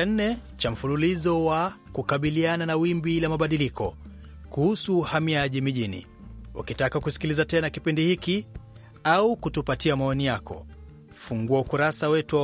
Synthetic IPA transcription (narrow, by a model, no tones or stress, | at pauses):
an̩nɛt͡ʃam̩fululizɔwa | kukaɓiliananawimbilamaɓaɗilikɔ̰ | kuhusuːhamiaʄimiʄinḭ | wʔa̰kitakakusi̥kilizatɛnakipindihiki | aukutupatiamaɔnijakɔ̰ | fuŋɡuaukuɾasawɛtu